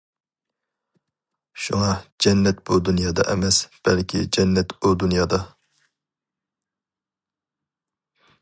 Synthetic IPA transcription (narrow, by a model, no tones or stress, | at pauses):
ʃuŋɑd͡ʒɛnːɛt̪b̥ud̪unjɑːd̪ɑ̰ʔɛmɛsb̥ɛlkʲʰḭd͡ʒɛnːɛt̪bud̪unjɑːd̪ɑ